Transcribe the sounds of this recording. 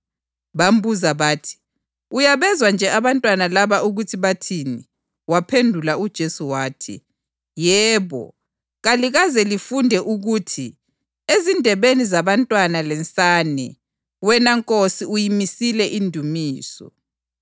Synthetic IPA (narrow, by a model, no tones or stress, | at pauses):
βam̩buzaβaːtʰi̥ | ujaβɛzwand͡ʒʱɛʔaβantʼwanalaβauɣutʰiβatʰini | wapʰendʱulaud̥ʒ̥ʱesuwaːtʰḭ | jɛːβɔ̰ | ɣaliɣazɛlifundʱɛʔuɣuːtʰi | ezindʱɛβenizaβantʼwanalɛnt͡sʼanɛ | wɛnaŋkʼosiujimisilɛʔindʱumiːsɔ̰